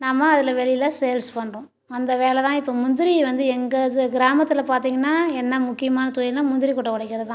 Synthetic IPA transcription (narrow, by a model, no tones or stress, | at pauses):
nɐmːɐɐðɪlɐʋɛɭɪjɪlaːsɛjɐlspɐɳrʊ̃ | ɐnd̪ɐʋeːlɛt̪ãːɪpːoːmʊnd̪ɪɾiʋɐnd̪ɯɛŋɡɐðɡɪɾaːmɐt̪ːɯlɐpaːɾt̪iːŋɡɐnːaːɛnːɐmʊkːɪjɐmaːnɐt̪ʊjɪlnaːmʊnd̪ɪɾikɔʈːɐʋɔɽɐɪkːɪɾɐðɯt̪ã